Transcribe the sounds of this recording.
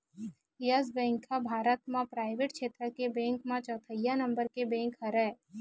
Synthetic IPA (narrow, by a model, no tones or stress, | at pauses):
jəzbɛ̃ːŋkʰabʱaːɾət̪mãpɾaːɪʋeːʈkʃeːt̪ɾəkebɛ̃ːŋkmãt͡ʃɔːt̪ʰəjanɐ̃mbəɾkebɛ̃ːŋkɦɐɾɛ